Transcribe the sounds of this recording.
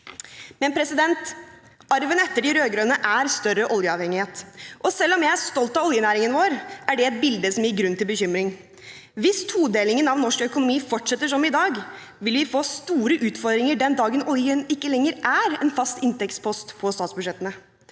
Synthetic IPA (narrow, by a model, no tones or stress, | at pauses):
mɛnpʰɾɛsɪd̪ɛnt̪ | ɑɾʋənɛt̪ːəɖɪɾøːɡɾøːnəʔæɾst̪œɾəʔɔljəɑːʋhɛŋɪheːt̪ʔɔsɛlːɔmjæɪæʂt̪ɔlt̪ɑɔljənæːɾɪŋənʋoːɾʔæɖɛɛt̪̚bɪld̪əsɔmjɪɾɡɾʉnːt̪ɪlbəçʏmɾɪŋ | ʋɪst̪ʰuːd̪eːlɪŋənɑʋnɔʂkœkʊnʊmiːfɔʈʂɛt̪ːəʂɔmɪd̪ɑːɡ | ʋɪlʋɪfoːst̪uːɾəʔʉːt̪fɔɾd̪ɾɪŋəɖɛnd̪ɑːɡənɔljənɪkːəlɛŋːəɾʔæɾɛnfɑst̪ɪnt̪ɛkspʰɔst̪pʰɔst̪ɑːt̪sbʉʂɛt̪ːənə